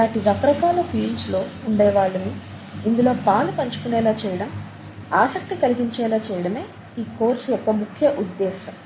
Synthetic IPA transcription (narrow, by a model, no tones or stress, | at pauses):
laːʈiɾɐkɾɐkaːlɐpʰiːlslo̞ːuɳɖɛːʋaːɭːɐniː | nd̪ulo̞ːpaːlupɐɲt͡ʃu̥kunɛːlaːt͡ʃɛːjɐɽɐm | aːsɐk̚t̪ikɐliɡiɲt͡ʃɛːlaːt͡ʃɛːjɐɽɐme̞ː | iːkoːɾsuɔkɐmukʰjɐʔud̪ːɛːʃɐm